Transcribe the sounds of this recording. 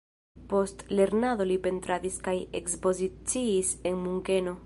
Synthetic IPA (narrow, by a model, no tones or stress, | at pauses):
post̪leɾnaðolipent̪ɾaðiskajḛkspozit͡siːseŋmuŋkeno